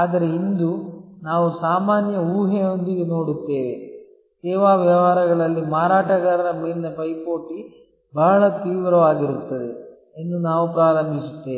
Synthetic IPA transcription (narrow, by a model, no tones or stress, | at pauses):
aːd̪ɐɾeind̪unaːʋusaːmaːnjɐuːɦeo̞nd̪iɡeno̞ːɽut̪ːe̞ːʋe | teːʋaːʋjɐʋaːɾɐɡɐɭɐlːimaːɾaːʈɐɡaːɾɐɾɐmeːlinɐpɐjpoːʈi | bʱaːɭɐt̪iːʋɾɐʋaːɡiɾut̪ːɐd̪e | enːunaːʋupɾaːɾɐmbʱisut̪ːeː